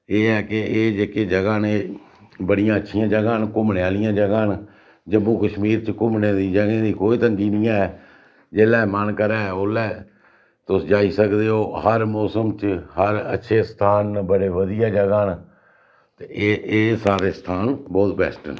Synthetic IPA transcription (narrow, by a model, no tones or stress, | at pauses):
eːɛːkeeːd͡ʒekeːd͡ʒəɡaːneː | bəɽɪjãːətːʃʰijãːd͡ʒəɡaːnkʊmɳjaːlɪjãːd͡ʒəɡaːn | d͡ʒəmːũːkəʃmiːɾt͡ʃkʊmneːd̪iːd͡ʒəɡẽːd̪iːkoːiːt̪əŋɡiːnɪjãːɛː | d͡ʒeːlaːmənkəɾɛːɛoːlɛː | t̪ʊsd͡ʒaːiːsəkd̪eːoːɦəɾmɔːsəmt͡ʃhəɾə̰tːʃʰeːst̪ʰaːnbəɽeːʋəd̪ɪjaːd͡ʒəɡaːn | t̪eeːsaːɾeːst̪ʰaːnbɔːt̪bɛ̰ːsʈə̰n